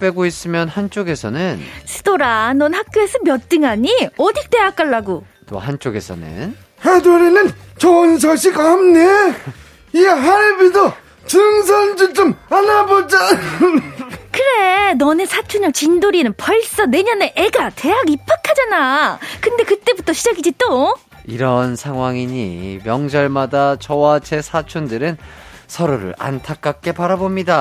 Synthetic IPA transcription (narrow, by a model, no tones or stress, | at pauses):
p͈e̞ɡois͈ɯmjʌnhant͡ɕ͈oɡe̞sʰʌ̰nɯnsʰɯ̥doɾanʌnhak̚k͈joe̞sʰʌmjʌt͈ɯŋaɲiʌdik̚t͈e̞ak͈aɭːaɡo | t͈o̰hant͡ɕ͈oɡe̞̰sʰʌ̰nɯ̰n | hedoɾinɯnt͡ɕʌnisʌɕʰikamne | iɦaɭbido | t͡ɕɯŋs̬ʰʌnd͡ʑit͡ɕomanabod͡ʑa | kɯɾe̞nʌnesʰat͡ɕʰuɲʌk̚t͡ɕindoɾinɯnpʌɭs͈ʌne̞ɲʌneʔeɡate̞ɦaɡipʰakʰad͡ʑanakɯnde̞kɯt͈e̞butʰʌɕʰid͡ʑaɡid͡ʑit͈o | iɾʌnsʰaŋɦwaŋiɲḭmjʌŋd͡ʑʌɭmadat͡ɕʌwat͡ɕe̞sʰat͡ɕʰundɯɾɯnsʰʌɾoɾɯ̰ɭa̰ntʰak̚k͈ak̚k͈e̞paɾabomɲida